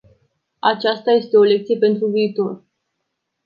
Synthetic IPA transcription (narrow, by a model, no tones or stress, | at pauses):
at͡ʃast̪aje̞st̪e̞o̞le̞k̚t̪sije̞pe̞nt̪ɾuviːt̪o̞r